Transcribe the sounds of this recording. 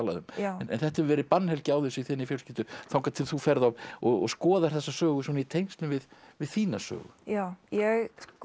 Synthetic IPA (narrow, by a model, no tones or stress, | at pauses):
la̰ðʏ̰mnɛ̰nθɛht̪ahɛvʏvɛːɾɪpanːhɛlcɪawðʏsiθɪnːifjœlscɪt̪ʏθawŋkat̪ʰɪlθufɛɾðavɔɔ̰ɣskɔːðaɾ̥θɛsːasœːɣʏswɔnait̪ʰejnst̪lʏmvɪð | vɪðθiːnasœ̰ːɣʏ̰jawjɛɣ